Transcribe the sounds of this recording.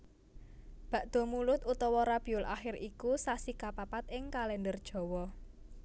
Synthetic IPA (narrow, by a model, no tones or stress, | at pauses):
b̥a̤ʔd̪̥ɔ̤mulʊt̪ut̪ɔwɔɾab̥i̤ʊlʔa̰xɪrikusasikapapat̪ɪŋkalɛnd̪ərd̥ʒ̥ɔ̤wɔ